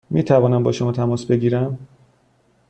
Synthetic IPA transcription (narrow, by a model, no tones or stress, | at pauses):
miːt̪ʰævɒːnæmbɒːʃomɒːt̪ʰæmɒːsbe̞ɡiːɾæm